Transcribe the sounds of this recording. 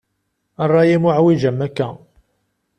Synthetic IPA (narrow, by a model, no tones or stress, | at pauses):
ərˤːɑjimʊʕwiʒəmːækːæ